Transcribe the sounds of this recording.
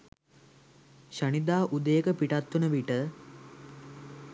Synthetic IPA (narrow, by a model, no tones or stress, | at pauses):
ʃənid̪aːʔud̪əjəkəpiʈat̪ːunəʋiʈə